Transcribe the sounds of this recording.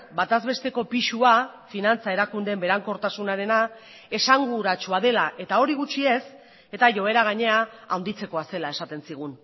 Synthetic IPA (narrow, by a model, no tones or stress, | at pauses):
bat̪azβe̞st̪e̞ko̞piʃua | finant͡sae̞ɾakund̪e̞mbe̞ɾaŋko̞ɾt̪asunaɾe̞na | e̞saŋɡuɾat͡ʃuað̞e̞laʔe̞t̪ao̞ɾiɣut͡ʃie̞s | e̞t̪aʝo̞e̞ɾaɣ̞aɲe̞aːwnd̪it͡se̞ko̞ase̞lae̞sat̪e̞nsiɣ̞un